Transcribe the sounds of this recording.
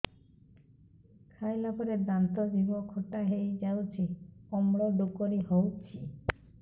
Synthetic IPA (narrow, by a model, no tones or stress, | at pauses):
kʰajlapɔɾed̪ant̪ɔbʱibɔkʰɔʈaɦejd͡ʒawt͡ʃʰiɔmɽɔɖukɔɾiɦowt͡ʃʰi